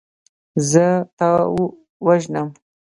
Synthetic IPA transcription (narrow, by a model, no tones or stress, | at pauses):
zət̪ɑ | waʒnəm